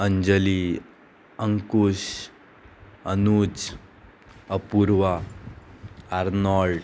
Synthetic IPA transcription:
əɲd͡ʑəli | əŋkuɕ | ənut͡s | əpuɾʋa | aɾnɔɭɖ

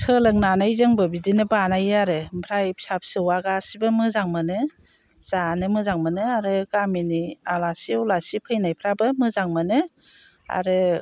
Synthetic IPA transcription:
sʰɯlɯŋnanajzɯŋbɯbidinɯbanajaɾɯmpʰɾajpʰsap̚sɯwaɡasibɯmɯzaŋmɯnɯ | z̥anɯmɯzaŋmɯnɯaɾɯɡaminialasiulasipʰɯjnajpʰɾabɯmɯzaŋmɯnɯ | a̰ɾɯ

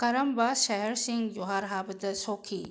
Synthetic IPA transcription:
kɐɾɐmbaːʃɐɦɛɾsɪ̃ŋɡjoɦaːɾɦaːbd̪ɐsoːkʰḭː

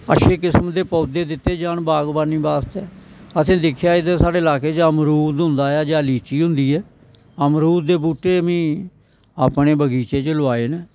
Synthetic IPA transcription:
ə̰ʃʰeːk̬ɪsmd̪eːpɔːd̪eːd̪ɪt̪ːeːd͡ʒaːɳbaːɡbaːnːĩːbaːst̪ɛːət̪ʰẽːd̪ɪkʰjaːɪd̪esaːɖeːlaːkeːt͡ʃaəmɾuːd̪ɦʊ̃nd̪aːjaːd͡ʒaːliːt͡ʃiːɦʊ̃nd̪iːɛː | əmɾuːd̪eːbuːʈːeːəmĩː | aːpneːbəɡiːt͡ʃeːt͡ʃəlʊaːeːnɛː

